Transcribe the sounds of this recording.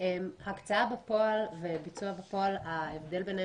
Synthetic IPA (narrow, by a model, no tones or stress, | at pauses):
emhakt͡saabepo̞alvebit͡suabepo̞alaevd̪e̞lben